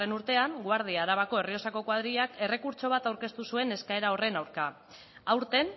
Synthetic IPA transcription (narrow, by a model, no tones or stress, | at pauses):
enuɾt̪e̞aŋɡwaɾð̞iaːɾaβ̞ako̞e̞rio̞sako̞kwað̞ɾiake̞re̞kuɾt͡ʃo̞β̞at̪awɾke̞st̪usue̞ne̞skae̞ɾao̞re̞nawɾka | awɾt̪e̞n